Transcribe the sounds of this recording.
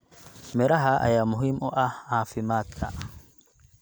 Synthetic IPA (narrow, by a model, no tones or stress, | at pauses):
mɛɾaɦaʔa̰jamʊɦimʔɔʔahaːfɪmaːt̪a̰ʔ